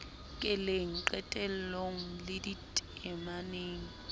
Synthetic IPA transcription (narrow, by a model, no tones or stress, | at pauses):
kʼɪleŋ̩ǃɛtʼɛl̩loŋ̩lɪditʼɪmaneːŋ̩